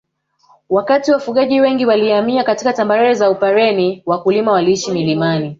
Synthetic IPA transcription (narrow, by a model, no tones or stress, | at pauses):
wakatiwafuɠaʄiwɛŋɡiwaliamiakatikatambaɾɛzaupaɾɛniwakulimawaliiʃimilimani